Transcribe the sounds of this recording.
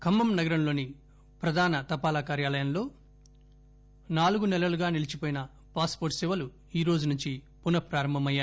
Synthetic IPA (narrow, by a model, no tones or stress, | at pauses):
kʰɐmːɐmnɐɡɐɾɐmlo̞ːni | pɾɐd̪ʱaːnɐt̪ɐpaːlaːkaːɾjaːlɐjɐmlo̞ː | naːluɡunɛlɐluɡaːnilit͡ʃipoːjinɐ | paːspoːɾʈsiʋɐlu | iːɾo̞ːd͡ʒunuɲt͡ʃi | punɐpɾaːɾɐmbʱɐmɐjːaː